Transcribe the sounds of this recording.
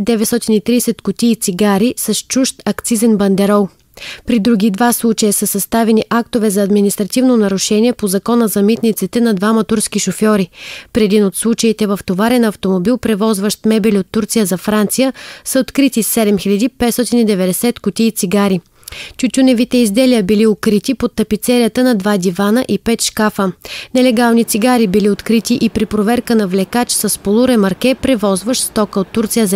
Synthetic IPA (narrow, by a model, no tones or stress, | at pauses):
d̪ɛvɛt̪st̪ɔt̪init̪ɾiːsɛt̪kʊt̪iːt̪siɡaɾisɐʃt͡ʃuʃt̪ɐkt̪sizɛnbɐnd̪ɛɾɔlˠ | pɾid̪ɾuɡid̪vaslˠut͡ʃɐjəsəsɐst̪avɛniʔak̚t̪ovɛzɐːd̪minist̪ɾɐt̪ivnonɐɾʊʃɛniɛpozɐkɔnəzɐmit̪nit̪sit̪ɛnɐd̪vamɐt̪uɾskiʃofjɔɾipɾɛd̪inot̪slˠut͡ʃəit̪ɛvɐft̪ovaɾɛnɐft̪omobilˠpɾɛvɔzvəʃt̪mɛbɛlʲiot̪ːuɾt̪sijəzɐfɾant̪sijəsəot̪kɾit̪isɛd̪ɛmxilʲɐd̪ipɛt̪st̪ɔt̪inid̪ɛvɛd̪ɛsɛt̪kʊt̪ʲiːt̪siɡaɾi | t͡ʃut̪ʲunɛvit̪ɛizd̪ɛliəbiliokɾit̪ipot̪ːɐpit̪sɛɾijət̪ənɐd̪vad̪ivanəʔipɛt̪ʃkafənɛlɛɡalˠnit̪siɡaɾibiliot̪kɾit̪iʔipɾipɾovɛɾkənɐvlɛkat͡ʃsəspolˠuɾɛmɐɾk̟ɛpɾɛvɔzvəʃst̪ɔkəot̪ːuɾt̪sijəzɐ